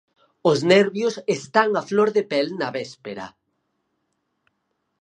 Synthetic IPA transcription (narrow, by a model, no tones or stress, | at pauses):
ʊznɛɾβjosest̪aŋafloɾðepɛlnɐβɛspeɾɐ̰